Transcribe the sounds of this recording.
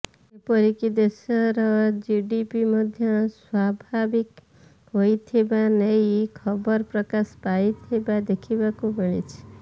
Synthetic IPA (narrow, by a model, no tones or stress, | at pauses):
epɔɾikid̪esɔɾɔd͡ʒiɖipimɔd̪ʱjɔswabʱabik | ɦojt̪ʰebanejkʰɔbɔɾpɾɔkaspajt̪ʰebad̪ekʰibakubəɭ̃ḭt͡ʃʰi̥